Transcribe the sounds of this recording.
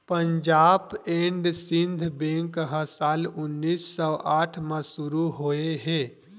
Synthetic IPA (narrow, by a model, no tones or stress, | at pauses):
pəɲd͡ʒaːbeɳɖsĩnd̪ʱbẽŋkɦəsalʊnːisːɔʔaːʈʰməsuɾuɦoeɦe